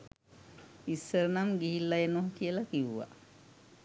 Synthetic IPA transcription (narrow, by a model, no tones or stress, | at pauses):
isːəɾənamɡiɦilːajenoɦkijəlakiwuʋa̰